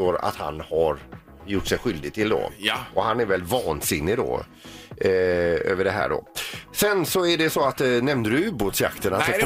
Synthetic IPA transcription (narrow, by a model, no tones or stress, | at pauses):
oːɾa̰t̪ha̰nhaɾ | jʊʈːsɛjɧʏld̪ɪɡ̚t̪ʰɪld̪ɔ̰ɔhanæɾvɛlːvɑːnsɪnːɪd̪ɔ̰ | ø̰ːvəɖɛɦæ̰ːɖɔ̰sɛnsɔæɖɛsɔat̪nɛmnd̪ədɵʉboːt̪sja̰kt̪ʰənat̪ɛ